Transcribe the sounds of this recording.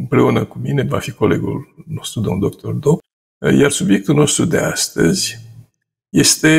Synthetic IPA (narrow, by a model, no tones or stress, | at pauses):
ɨmpɾe̞unəkumine̞va̰fiko̞le̞̰ɡṵlno̞st̪ɾud̪omnd̪ok̚t̪o̞rd̪op | jarsubje̞k̚t̪ulno̞st̪ɾud̪e̞ast̪ə̰zʲ | je̞st̪e̞